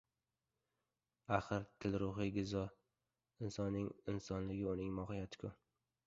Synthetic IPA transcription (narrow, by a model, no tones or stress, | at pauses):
aχɨɾt̪ʰɪlɾʊɦɨɡʲɪzɒ | ɪnsɒnːɪŋɪnsɒnlɪɡʲɪʊnɪŋmɒhɪjat̪ʰɪ̥kʰʲʊ